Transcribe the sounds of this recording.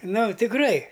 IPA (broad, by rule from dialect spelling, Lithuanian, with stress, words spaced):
ˈnʊ tʲɪkˈrɐɪ